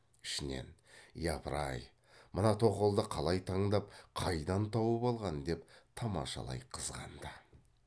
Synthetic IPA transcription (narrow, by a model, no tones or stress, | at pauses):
ɪ̥ʃɪne̞̰njɑpɾɑj | mənɑt̪ʰo̞qolˠd̪əqʰɑlˠɑjt̪ʰɑɴd̪ɑp̚qʰɑjd̪ɑnt̪ʰɑwəbɑlˠʁɑnd̪e̞pt̪ʰɑmɑ̰ʃɑ̰lˠɑ̰jqʰəzʁɑ̰nd̪ə